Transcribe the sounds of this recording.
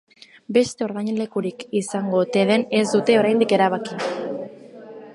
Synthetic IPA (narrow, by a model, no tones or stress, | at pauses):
be̞st̪e̞o̞ɾðaɲe̞nle̞kuɾikisaŋɡot̪e̞ðe̞ne̞zd̪ut̪e̞o̞ɾajnd̪ike̞ɾaβ̞aki